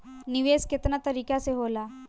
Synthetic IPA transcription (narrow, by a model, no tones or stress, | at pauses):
niʋesket̪nat̪əɾikaseɦola